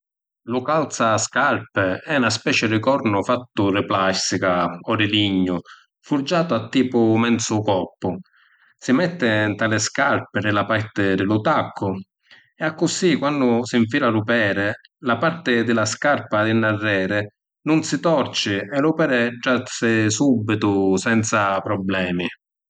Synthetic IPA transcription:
lʊkalt̪saskarpɪɛunaspɛːt͡ʃɪɾɪkɔɾnʊfat̪ːʊrɪplasikaɔdɪliɲːʊ | furd͡ʒaːt̪ʊat̪ːiːpʊmɛnt̪sʊkɔpːʊ | sɪmɛt̪ːɪnt̪aːlɪskarpɪɾɪlapaɾt̪ɪd̪ɪlʊt̪akʰːʊ | ɛakːʊsikwanːʊsiɱfiːlalʊpɛːɾɪ | lapart̪ɪd̪ɪlaskarpad̪ɪnːarːɛːɾɪ | nʊnsɪt̪ɔrt͡ʃɪɛlupɛːɾɪd͡ʒːatsɪsubːit̪ʊsɛnt̪sapɾɔblɛːmi

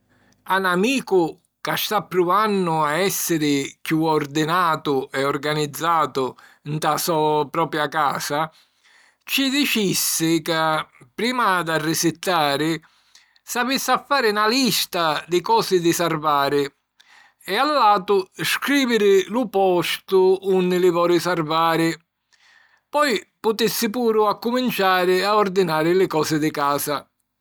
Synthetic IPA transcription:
anamiːkʊ | kast̪apːɾuanːʊaɛsːɪɾɪkjuɔrd̪ɪnaːt̪ʊʔɛɔrɡanid̪zːaːt̪ʊnt̪asɔpɾɔːpɾjakaːsa | t͡ʃid̪it͡ʃisːɪkapɾiːmad̪arːɪsɪt̪ːaːɾɪ | savisːafːaːɾɪnalist̪ad̪ɪkɔːsɪd̪ɪsarvaːɾɪ | ɛalːaːt̪ʊskɾiːvɪɾɪlʊpɔst̪ʊunːɪlɪvɔːɾɪsarvaːɾɪ | pɔjpʊt̪ɪsːɪpuːɾʊakːumint͡ʃaːɾɪaɔrd̪inaːɾɪlɪkɔːsɪd̪ɪkaːsa

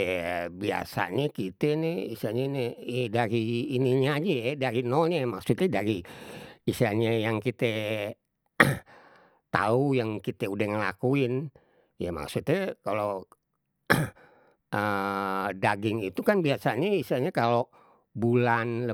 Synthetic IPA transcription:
bia̰sa̰ɲakit̪ɛnɛisiaɲanedaɾiːniɲad͡ʒɛdaɾinolɲamaksut̪ɛdaɾi | isiaɲajaŋkit̪ɛ | t̪a̰ujaŋkit̪ɛudahŋəla̰kuɪn | jama̰ksut̪ɛkalo | ə | daɡɪŋit̪ukanbiasaɲaisiaɲakalo | bulanlə

